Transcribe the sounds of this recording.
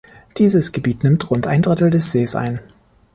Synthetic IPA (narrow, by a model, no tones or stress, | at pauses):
d̥iːzəsɡ̥əbiːtnɪmtʁʊnta̰ɪndʁɪtl̩dɛsz̥eːsʔa̰ɪn